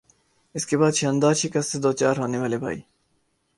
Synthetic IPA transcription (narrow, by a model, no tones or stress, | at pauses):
ɪskebaːd̪ʃɐ̃ːnd̪aːt͡ʃʰikɐsːed̪oːt͡ʃaːɾɦoːneʋaːlebʱa̰ːḭː